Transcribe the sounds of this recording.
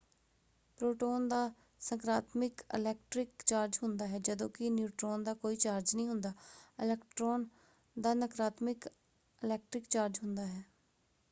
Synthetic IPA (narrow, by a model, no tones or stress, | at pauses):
pɾoːʈoːnd̪aː | səŋkɾaːt̪mɪkɪ̰lɛːk̚ʈɾɪkt͡ʃaːɾd͡ʒɦʊnd̪aːɦɛːd͡ʒəd̪õːkɪnjuːʈɾoːnd̪aːkoːiːt͡ʃaːɾd͡ʒnəĩːɦʊnd̪aːɪlɛːkʈɾoːn | d̪aːnəkɾaːt̪mɪk | ɪlɛːk̚ʈɾɪkt͡ʃaːɾd͡ʒɦʊnd̪aːɦɛː